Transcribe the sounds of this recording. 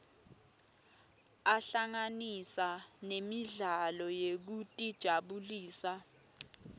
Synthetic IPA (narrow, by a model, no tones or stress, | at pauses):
aɬaŋanisanemiɮalɔjek̬utʼid̥ʒ̥ʱaɓuliːsa